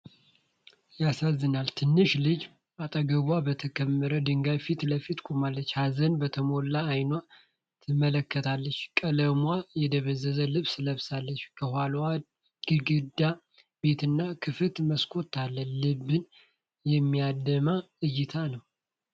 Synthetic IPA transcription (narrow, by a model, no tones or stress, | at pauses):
jasazːɨnalt̪ʰɨnːɨʃlɨd͡ʒ | at̪ʼəɡəβwabət̪ʰəkʰəmːəɾəd̪ɨŋɡajfit̪ləfit̪kʰomalːət͡ʃːhazənbət̪ʰəmo̞lːaːjnwa | t̪ʰɨmələkːət̪ʰalːət͡ʃːkʼələmwajɛd̪əβəzːəzəlɨβsɨləβsalːət͡ʃːkʰəhʷwalwa | ɡ̥ɨɡɨd̪a | b̥e̞t̪ɨnːakʰɨfɨt̪məskʰo̞t̪ʰːalːənlɨβːɨn | jɛmːijad̪əma | ɨjːɪt̪ʰanəw